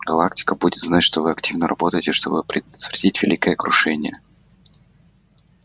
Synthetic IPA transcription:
ɡɐlˠaktʲɪ̥kəbudʲɪt̪znatʲʂt̪ovɨɐktʲivnəɾʔɐ̰bo̞t̪əjtʲɪʂt̪o̞̰bɨɐpɾʲɪd̪ət̪vʲɾʲɪdʲitʲvʲɪlʲikəjəkɾʊʂɛnʲɪ̰jə

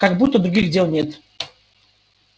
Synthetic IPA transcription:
kaɡbut̪ːəd̪ɾʊɡʲixdʲelˠnʲet̪

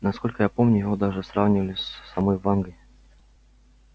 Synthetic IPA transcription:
nɐsko̞lʲkəjapo̞mnʲʊjɪvo̞d̪aʐɨsravnʲɪvəlʲɪsʲːɐmojvanɡəj

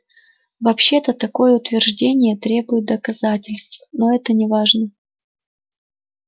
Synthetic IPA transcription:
vɐpɕːe̞t̪ət̪ɐko̞jəʊt̪vʲɪrʐdʲenʲɪjət̪ɾʲe̞bʊjɪt̪̚d̪əkɐzatʲɪlʲst̪fno̞ɛt̪ənʲɪvaʐnə

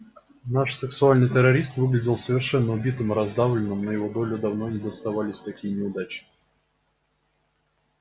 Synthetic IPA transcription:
naʂsʲɨksʊalʲnɨjt̪ʲəɾɐɾʲist̪vɨɡlʲɪdʲɪlˠsəvʲɪrʂɛnːəʊbʲit̪ɨmɨɾɐzd̪avlʲɪnːɨmnəjɪvo̞d̪o̞lʲʊd̪ɐvnonʲɪd̪əst̪ɐvalʲɪsʲt̪ɐkʲijənʲɪʊd̪at͡ɕ̪

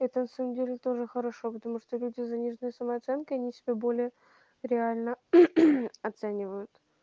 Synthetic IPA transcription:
ɛt̪ənɐsaməmdʲelʲɪt̪o̞ʐɨxəɾɐʂopət̪ɐmuʂt̪olʲudʲɪzɐnʲiʐnɨjəsəməɐt̪sɛnkəɐnʲisʲɪbʲebo̞lʲɪjə | ɾʲɪalʲnə | ɐt̪sɛnʲɪvəjʊt̪

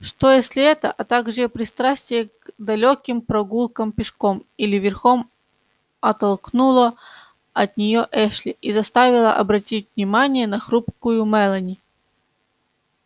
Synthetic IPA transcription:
ʂt̪ojesʲlʲɪɛt̪ə̰ʔɐt̪aɡʐɨpɾʲɪst̪ɾasʲtʲɪjəɡd̪ɐlʲokʲɪmpɾɐɡulˠkəmpʲɪʂkomilʲɪvʲɪrxom | ɐt̪ɐlˠknulˠə | ɐt̪nʲɪjoʔɛʂlʲɪʔizɐst̪avʲɪlˠəʔɐbɾɐtʲitʲvnʲɪmanʲɪjənɐxɾupkʊjʊmɛlˠənʲɪ

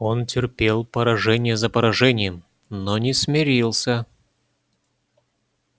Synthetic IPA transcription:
o̞ntʲɪrpʲelˠpəɾɐʐɛnʲɪjəzəpəɾɐʐɛnʲɪjəm | nonʲɪsmʲɪɾʲilˠsʲə

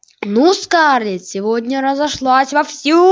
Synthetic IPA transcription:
nuskaɾlʲɪt̪sʲɪvodʲnʲəɾəzɐʂlˠasʲvɐfsʲu

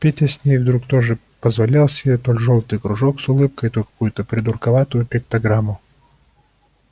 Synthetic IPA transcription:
pʲetʲɐsʲnʲejvd̪ɾukt̪o̞ʐɨ | pəzvɐlʲilˠsʲɪbʲet̪olʲʐolˠt̪ɨjkɾʊʐoksʊlˠɨp̚kəjt̪olʲkɐ̥kujʊt̪əpɾʲɪd̪ʊrkɐvat̪ʊjʊpʲɪkt̪ɐɡɾamːʊ

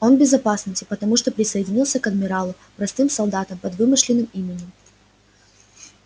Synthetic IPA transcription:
onbʲɪzɐpasnəsʲtʲɪpət̪ɐmuʂt̪opɾʲɪsəɪdʲɪnʲilˠsʲəkɐd̪mʲɪɾalˠʊ | pɾɐst̪ɨmsɐlˠd̪at̪əmpɐd̪vɨmɨʂlʲɪnːɨmimʲɪnʲɪm

